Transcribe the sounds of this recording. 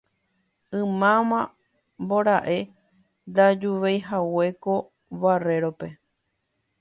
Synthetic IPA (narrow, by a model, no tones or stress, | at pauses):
ɨ̃mãmã | mboɾaʔe̞ | d̪ad͡ʒuʋejɦawe̞ko̞ | βare̞ɾo̞pe̞